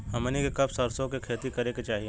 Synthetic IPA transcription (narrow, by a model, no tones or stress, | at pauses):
hɐmənikekɐbsɐɾsõkekʰeːt̪ikɐɾeket͡ʃaːɦie